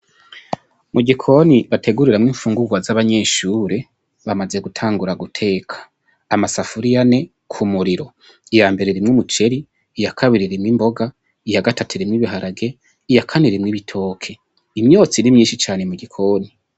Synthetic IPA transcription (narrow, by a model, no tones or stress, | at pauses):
muɡikʰo̞niβatʰe̞ɡuɾiɾamŋiːɱfuːŋɡuɡwazaβaɲe̞ːʃuːɾe̞ | βamaze̞ɡutʰaːŋɡuɾaɡutʰe̞ːkʰḁː | masafuɾijane̞ | kʰumuɾiɾo̞ | ijaːmbe̞ɾeɾimŋumut͡ʃe̞ɾiː | jakʰaβiɾiɾimŋimbo̞ɡa | ijaɡatʰatʰiɾimŋiβiɦaɾaɡe̞ | ijakʰaniɾimŋiβitʰo̞ːkʰe̞ | imɲo̞ːt͡sinimɲiːnʃit͡ʃaːne̞muɡikʰo̞ːni